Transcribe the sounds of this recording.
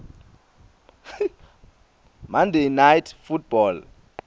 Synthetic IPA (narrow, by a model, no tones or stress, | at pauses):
mandʱejnajtʰfut̚ʰb̥ɔl